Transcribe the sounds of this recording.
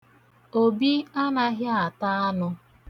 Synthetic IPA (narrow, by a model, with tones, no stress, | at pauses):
o˨bi˦a˦na˦ɦja˨ta˦a˦nʊ˦